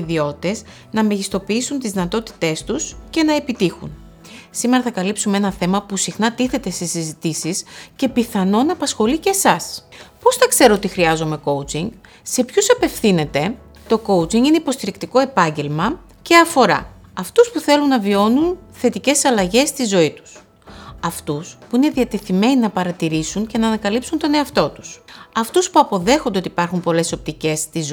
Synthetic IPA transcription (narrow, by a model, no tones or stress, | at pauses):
ðio̞tt̪e̞s | nɐmeʝist̪o̞piisunt̪izðinɐt̪o̞t̪i̥t̪e̞st̪usce̞nɐe̞pit̪ixṵn | sime̞ɾɐθɐkɐlipsumeenɐθe̞mɐpusixnɐt̪iθe̞t̪e̞sisizit̪isisce̞piθɐno̞nɐːpɐsxo̞licesɐspo̞sθɐkse̞ɾoot̪ixɾiɐzome̞ko̞wt͡siŋɡ | se̞pçusɐpe̞fθine̞t̪e̞ | t̪o̞ko̞wt͡siŋɡine̞ipo̞st̪iɾikt̪iko̞e̞pɐɲɟe̞lmɐ | ce̞ɐfo̞ɾɐ̰ | ɐft̪uspuθe̞lunːɐvio̞nunθe̞t̪ice̞sɐlɐʝe̞st̪izo̞it̪u̥s | ɐft̪uspuine̞ðiɐt̪e̞θime̞ninɐpɐɾɐt̪iɾisunce̞nɐːnɐkɐlipsunt̪o̞ne̞ɐft̪o̞t̪u̥sɐft̪uspuɐpo̞ðe̞xond̪ot̪ipɐɾxumpo̞le̞so̞p̚t̪ice̞st̪iz